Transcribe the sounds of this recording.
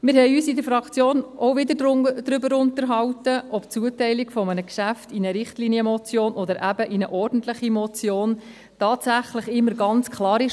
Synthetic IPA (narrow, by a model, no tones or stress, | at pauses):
mɪɾɦɛɪyːsɪdəɾfɾɑkt͡sjoːnʔɔwʋɪdəd̥̪ɾʏbəɾʊntəɾɦɑwtəʔɔpt͡suːətɛɪlikfɔmənəkʃæftinəɾɪχtliːniəmɔt͡sjoːnʔɔd̪əɾʔæbəʔinəʔɔrdn̩tlɪχimɔt͡sjoːn | tɑːtsæχləχɪmːəɾɡɑnt͡skʰlɑːɾɪʃ